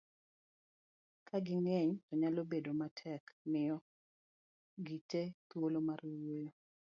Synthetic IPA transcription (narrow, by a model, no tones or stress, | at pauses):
kʰaɡɪŋɛɲtɔɲalobedomatʰɛkmɪjɔ | ɡitet̪wolomarwojo